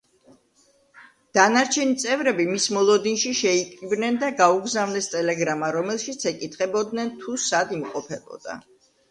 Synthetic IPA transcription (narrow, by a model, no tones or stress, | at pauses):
d̪̥anaɾt͡ʃʰɛnit̪sʼɛvɾɛbimismɔlˠɔd̪inʃiʃɛikʼɾibnɛnd̪aɡauɡzavnɛst̪ʼɛlɛɡɾamaɾɔmɛlˠʃit̪sʰɛkʼit̪ʰχʼɛbɔd̪nɛnt̪ʰusad̪imqʼɔpʰɛbɔ̰d̪̥a̰